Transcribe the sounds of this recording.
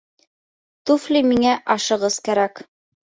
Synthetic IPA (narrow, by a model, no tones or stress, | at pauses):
t̪uflʲimiŋæʔɑʃɤ̆ʁɤzkæɾæk